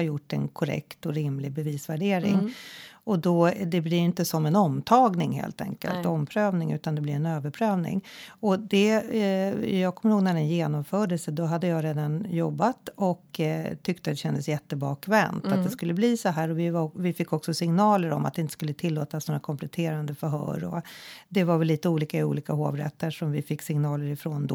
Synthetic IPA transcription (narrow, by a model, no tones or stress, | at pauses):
ajʊʈːɛ̰nkʰɔɾɛ̰kt̪ɔɾɪmlɪɡbɛviːsvæɖeːɾɪ̰ŋɔd̪ɔd̪ɛblɪɾɪnt̪əsɔmɛnɔmt̪ʰɑːɡnɪŋɦḛːlt̪ʰɛ̰ŋkə̰lt̪ɔmpʰɾøːvnɪŋʉ̟̰ːt̪and̪ɛblɪɾɛnøːvəɾpʰɾøːvnɪ̰ŋɔd̪ɛ | jɑːɡkʰɔmːəɾhoːɡnæɖɛnjeːnɔmfœːɖəlsəd̪ɔɦad̪ːəjɑːɾeːd̪anjɔbːat̪ɔkt̪ʰʏk̚t̪əat̪ːɛɕɛnd̪əsjɛt̪ːəbɑːkʰvɛnt̪at̪d̪ɛskɵlːəbliːsɔɦæːɾɔvɪvavɪfɪkːɔksɔsɪŋnɑːləɾɔ̰ma̰t̪d̪ɛɪnt̪əskɵlːət̪ʰɪlːoːt̪asnoːɾakʰɔmpʰlɛt̪ʰeːɾand̪əfœɾɦœ̰ːɾɔ̰d̪ɛvaɾvɛllːiːt̪əuːliːkaɪṵːliːkaɦo̰ːvɾɛ̰t̪ʰːəʂɔmvɪfɪkːsɪŋnɑːləɾɪfɾoːnd̪ɔ